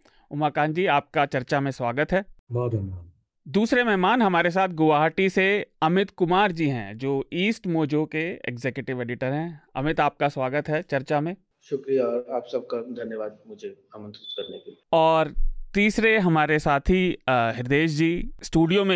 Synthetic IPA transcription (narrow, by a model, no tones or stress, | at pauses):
ʊmaːkaːnd͡ʒiːaːp̚kat͡ʃɐɾt͡ʃamẽswaːɡət̪ɦɛːbɔːt̪ɐɦmaː | d̪uːsɾemɛɦmaːnɦɐmaːɾes̬aːt̪ʰɡʊʋaːɦʈiseɐmɪt̪kʊmaːɾd͡ʒiːɦɛ̰̃d͡ʒoːiːsʈmoːd͡ʒokeḛkzeːkjʊʈɪʋeːɖɪʈəɾɦɛ̃ɐ̰mɪt̪aːp̚kaswaːɡət̪ɦɛːt͡ʃɐɾt͡ʃamẽː | ʃʊkɾijaɔːɾaːpsɐb̚kad̪ʱɐnjəʋaːd̪̚mʊd͡ʒʱe | amə̃nsɪ̥t̪kɐɾnekeliɔːɾt̪iːsɾeɦɐmaːɾesaːt̪ʰɦiɦɪɾd̪eːʃ̬d͡ʒiːsʈuːɖijomẽ